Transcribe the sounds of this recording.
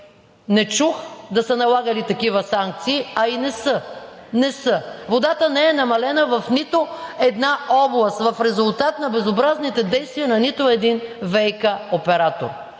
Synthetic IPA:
nɛt͡ʃuxd̪ɐsənɐlˠaɡəlit̪ɐkivəsaŋk̚t̪siːɐinɛsə | nɛsəvod̪at̪ənɛɛnɐmɐlɛnəvɐfnit̪oɛd̪naɔblˠɐst̪vɐfɾɛzʊlˠt̪at̪nɐbɛzobɾaznit̪ɛd̪ɛjst̪viɐnɐnit̪ʊɛd̪invɛjkəopɛɾat̪o̰ɾ

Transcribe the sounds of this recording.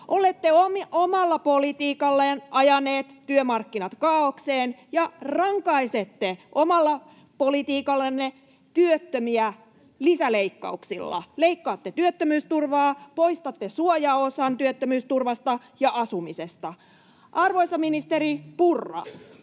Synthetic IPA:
ʔolet̪ːeomiomɑlːɑpolit̪iːkɑlːenʔɑjɑneːt̪tyømɑrkːinɑt̪kɑːokseːnjɑrɑŋkɑiset̪ːeʔomɑlːɑ | polit̪iːkɑlːenːe | t̪yøt̪ːømiæ | lisæleikːɑ̰uksilːɑ̰leikːɑːt̪ːet̪yøt̪ːømyːst̪urʋɑːpoist̪ɑt̪ːesuojɑosɑnt̪yøt̪ːømyːst̪urʋɑst̪ɑ | jɑʔɑsumisest̪ɑ | ʔɑrʋoisɑminist̪eɾipurːɑ̰

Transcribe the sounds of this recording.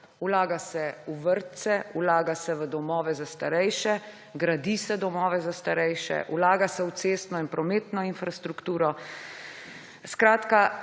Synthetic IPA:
ulaːɡasɛuʋəɾt̪sɛulaːɡasɛʋəd̪ɔmɔːʋɛzast̪aɾɛjʃɛ | ɡɾad̪isɛd̪ɔmɔːʋɛzast̪aɾɛjʃɛ̰ʔulaːɡasɛuseːst̪nɔinpɾɔmeːt̪nɔinfɾast̪ɾukt̪uːɾɔ | skɾaːt̪ka

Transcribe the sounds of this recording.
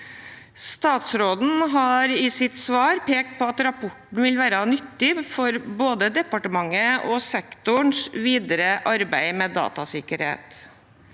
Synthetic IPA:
st̪ɑːt̪sɾoːd̪n̩ɦɑɾɪsɪt̪sʋɑːɾpʰeːk̚t̪̚pʰɔɑt̪ɾɑpʰɔʈɳ̩ʋɪlʋæːɾɑnʏt̪ːɪfɔɾboːd̪əd̪ɛpɑʈəmɑŋːəɔsɛkt̪ʊɳsʋiːd̪əɾəʔɑɾbæɪmeːd̪ɑ̰ːt̪ɑsɪkəɾhḛːt̪

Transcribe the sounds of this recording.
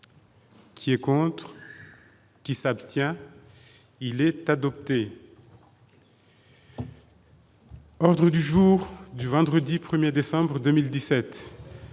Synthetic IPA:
kʲʰiɛkɔ̃t̪χ | kʲisapst̪jɛ̃ | ilɛt̪ad̪ɔp̚t̪e | ɔʁd̪ʁəd̪yʒuʁd̪yvɑ̃d̪ʁəd̪ipχəmjed̪esɑ̃bʁəd̪ømild̪isɛt̪

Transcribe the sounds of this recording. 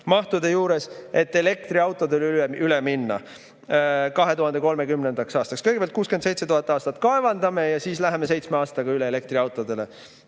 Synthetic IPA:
mɑht̪ud̪e̞juːɾe̞se̞t̪ːe̞le̞k̚t̪riɑwt̪ːˑo̞d̪elyyleminːɑ̰ | kɑɦet̪uhɑnd̪e̞ko̞lme̞kymne̞nd̪̥ɑksɑːst̪ɑkskɤjɡe̥eɑlt̪kuːskynse̞jt̪se̞t̪uhɑt̪ːˑɑːst̪ɑt̪ːkɑevɑnd̪ɑme̞jɑsiːslæɦeme̞se̞jt̪smeɑːst̪ɑɡ̥ɑyleele̞k̚t̪riɑwt̪ˑo̞d̪e̞le

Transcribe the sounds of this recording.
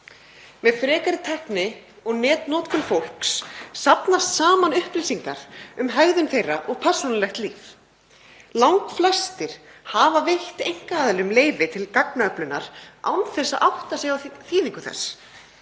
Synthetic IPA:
mɛðfɾɛːkaɾɪt̪ʰɛhknɪ | ɔɣnɛːt̪nɔːt̪kʏɾfowl̥kssapnast̪saːmanʏhplisiŋkaɾ̥ʏmɦœɣðʏnθejrːaʔɔɣpʰɛr̥sunalɛxt̪liːf | lawŋkflɛst̪ɪɾ̥haːvavejht̪ejŋ̥kaːðɪlɪʏmleːjvɪt̪ʰɪlkaknaœplʏnːa̰ɾ̥a̰wnθɛsːaðʔawht̪asɛɣawθiːðiŋkʏθɛ̰s

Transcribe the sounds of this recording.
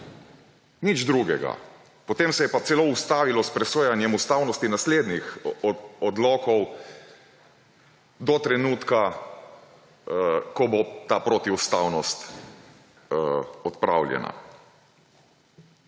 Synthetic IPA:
nid͡ʒd̪ɾuɡɛɡa̰ | pɔt̪eːmsɛjɛpat̪sɛloust̪aːʋilɔspɾɛsoːjanjɛmust̪awnɔst̪inasleːd̪nix | ɔd̪lɔːkɔw | d̪ɔt̪ɾɛnuːt̪ka | kɔbot̪aːpɾot̪iust̪awnɔst̪ | ɔt̪pɾa̰wljɛ̰na̰

